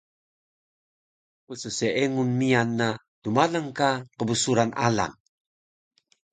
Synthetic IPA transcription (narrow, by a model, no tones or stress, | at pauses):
pəsəseʔeŋunmianːa | tumaləŋkaqəbəsuɾana̰la̰ŋ